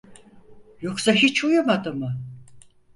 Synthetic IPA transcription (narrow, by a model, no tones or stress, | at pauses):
jo̞ksaɦit͡ʃʰujamad̪ɯmɯ